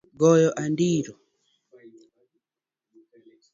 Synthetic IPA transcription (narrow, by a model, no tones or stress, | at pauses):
ɡɔjɔʔandiɾɔ